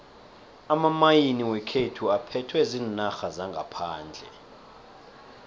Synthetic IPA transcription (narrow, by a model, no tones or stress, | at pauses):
amamajiniwɛkʰetʰuapʰɛtʰwɛzinnaxazaŋɡʱapʰaːnd͡ɮʱɛ̰